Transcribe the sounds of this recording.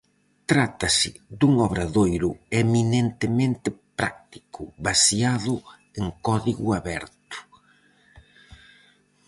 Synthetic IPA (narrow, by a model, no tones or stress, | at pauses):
t̪ɾat̪ɐsɪd̪uŋɔβɾaðojɾʊeminent̪ɪmẽnt̪ɪpɾa̰k̚t̪i̥kʰʊβasiaðʊ | eŋkɔðiɣʊaβɛɾt̪ʊ̥